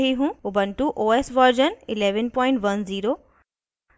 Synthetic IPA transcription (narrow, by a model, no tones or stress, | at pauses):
ɦiɦũʊbənʈuʔoːesʋɔɾd͡ʒənɪleːʋənpɔ̃ːɪ̃ɳʈʋɐnziːɾoː